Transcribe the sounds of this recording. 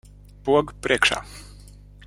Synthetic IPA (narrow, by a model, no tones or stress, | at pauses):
pwɔɡpɾɛkʂa̰